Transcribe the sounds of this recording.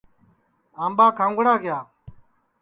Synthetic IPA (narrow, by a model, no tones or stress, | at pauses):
aːmɓaːkʰãːŋɡəɽaːɡɪjaː